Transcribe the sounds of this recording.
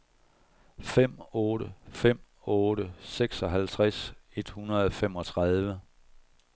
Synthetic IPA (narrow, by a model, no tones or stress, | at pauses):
fem̰ɔ̽ːɾəfem̰ | ɔ̽ːɾ̥əseɡ̥sɒ̽ɦælt͡sʰʁase̝d̥hunɐð̩ˠfem̰ɒ̽t͡sʰʁɑð̞ˠʋə